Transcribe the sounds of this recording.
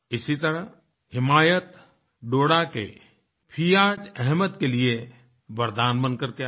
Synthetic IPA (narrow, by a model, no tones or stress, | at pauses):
ɪsit̪əɾəɦ | hɪmaːjət̪ | ɖoːɽakḛ | pʰijaːd͡ʒɛɦmət̪kelie | ʋəɾd̪aːnbənkəɾke